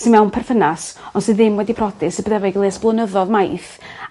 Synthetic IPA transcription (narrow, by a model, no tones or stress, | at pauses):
sɨnmɛwnpʰɛrθənasɔnsɨðɪmwɛdipʰrɔdɨsɨbəðɛvɔiɡlˠeːsb̥lˠənəðɔðmajθ